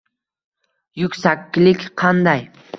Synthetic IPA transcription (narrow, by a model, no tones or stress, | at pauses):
jʊkʲsakʲːɪlɪkʲqʰɑnd̪ɑj